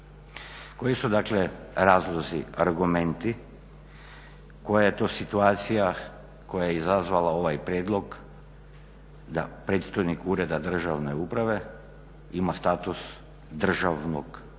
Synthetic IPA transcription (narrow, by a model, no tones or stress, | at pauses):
ko̞jisud̪aːkleɾaːzlˠozia̰ɾɡument̪i | ko̞jajet̪oːsit̪uaːt̪sija | ko̞jajeizazʋalao̞ʋajpɾʲjeːd̪lˠo̞ɡ | d̪a̰pɾe̞ːt̪st̪ajnikuːɾe̞d̪ad̪r̩ʒaʋneuːpɾaʋe̞ | imast̪aːt̪us | d̪r̩ʒaʋno̰ɡ